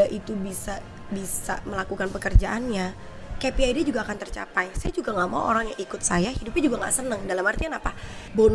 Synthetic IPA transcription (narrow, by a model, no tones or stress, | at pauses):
aʔit̪ubisa | bisa̰məlakukanpəkərd͡ʒaʔanɲa | kepiajdid͡ʒuɡaːkant̪ərt͡ʃa̰pajsajad͡ʒuɡaŋɡama̰wʔo̰ɾaŋjaŋikʊt̪̚sajahidupɪd͡ʒuɡaŋɡa̰ʔsənəŋdalamhart̪ikanapa | bon